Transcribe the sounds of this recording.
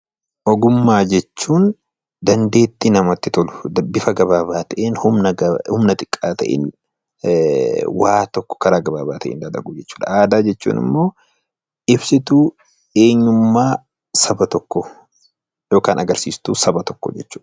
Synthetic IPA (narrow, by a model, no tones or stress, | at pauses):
ʔɔɡʊmːaːd͡ʒɛt͡ʃːuːn | d̪ɐnd̪e̞ːt̪ːɪnɐmɐt̪ːɪt̪ɔlʊd̪ɐbɪfɐɡɐbaːbaːt̪ɐʔeːnhʊmnɐhʊmnɐt̪ʼɪ̥kʼːaːt̪ɐʔḛːn | waːt̪ɔkːɔ̥kɐɾaːɡɐbaːbaːt̪ɐʔḛːnd̪ɐd̪ɐɡud͡ʒɛt͡ʃːuːᶑ̪ɐaːd̪aːd͡ʒɛt͡ʃːṵːnɪ̰mːo̞ː | ɪbsɪt̪uː | e̞ːɲːʊmːaː | sɐbɐt̪ɔkːɔ | jo̞ːkaːnɐɡɐɾsiːst̪uːsɐbɐt̪ɔkːɔ̰d͡ʒɛt͡ʃːuːᶑɐ̥